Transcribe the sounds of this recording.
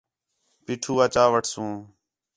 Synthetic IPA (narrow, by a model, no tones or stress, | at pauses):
piːʈʰuːət͡ʃaːʋəʈʰsũː